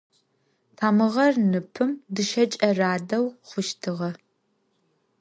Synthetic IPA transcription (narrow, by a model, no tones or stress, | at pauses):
tʰaːmɨʁɐrnɨpʰɨmdɨʃɐt͡ʃʼɐraːdɐwχʷʊʃtʰɨʁɐ